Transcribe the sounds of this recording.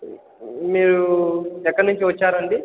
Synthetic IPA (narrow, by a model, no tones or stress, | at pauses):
miːɾuɛkːɐɾnuɲt͡ʃiʋɐt͡ʃːaːɾɐɳɖi